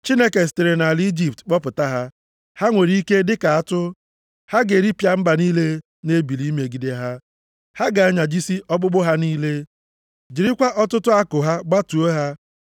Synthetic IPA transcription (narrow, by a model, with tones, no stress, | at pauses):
t͡ʃi˦ne˦ke˨s̬te˨ɾe˨na˨ld͡ʒi˨p̚tk͡pɔ˦pʊ˨ta˦ɦa˦ | ha˦ŋʷe˨ɾi˦i˦ke˦dɪ˦ka˨a˦tʊ˦ | ha˦ɡe˨ɾi˦pja˦m̩˦ba˨niː˦le˦ | ne˦bi˨li˦me˨ɡi˦de˦ɦa˦ | ha˦ɡa˨a˦ɲa˨d͡ʒi˦si˦ʔɔ˦ɡ͡bʊ˦ɡ͡bʊ˦ɦa˦niː˦le˦ | d͡ʒi˨ɾi˦kʷa˦ʔɔ˦tʊ˦tʊ˦a˦kʊ˨ɦa˦ɡ͡ba˦tu˨o˦ɦa˦